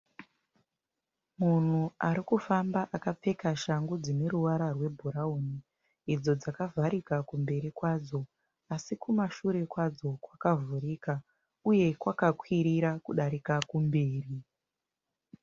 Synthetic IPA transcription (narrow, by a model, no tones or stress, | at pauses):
mun̤uaɾikufambaʔakap͡fe̞kaʃaŋɡud͡zineɾuwaɾarwe̞bʱuɾauni | id͡zo̞d͡zakavʱaɾikakumbe̞ɾikwaːd͡zo̞ | asikumaʃuɾe̞kwad͡zo̞kwakavuɾiːka | uje̞kwakakwiɾiɾakuɗaɾikakumbeːri